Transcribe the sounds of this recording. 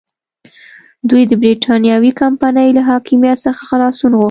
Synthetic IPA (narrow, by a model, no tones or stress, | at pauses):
d̪ujd̪əbɾiʈʰɑnjɑwikampanəjlaɦɑkɪmijat̪səxḁxalɑsunɣo